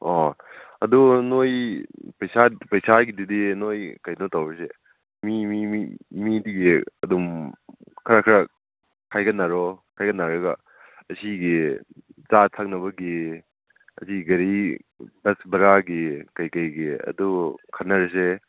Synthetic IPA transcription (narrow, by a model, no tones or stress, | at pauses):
ɔɐdunojpɐjsapɐjsaɡididinojkɐjnɔtawɾese | mimimidiɡiɐdum | kʰɐɾakʰɐɾa | kʰajɡɐnːaɾɔkʰajɡɐnːaɾɐɡɐ | ɐsiɡi | t͡ʃatʰak̚nɐbɐɡi | ɐ̰siɡɐɾibɐsbɐɾaɡikɐjkɐjɡiɐ̰dukʰɐtnɐɾes̬e